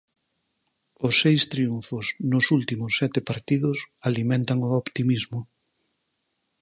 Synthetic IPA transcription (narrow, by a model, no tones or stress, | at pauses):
ʊsːejst̪ɾiuɱfʊsnʊsult̪imʊsːɛt̪ɪpaɾt̪iðʊsalimẽnt̪aŋʊopt̪imizmʊ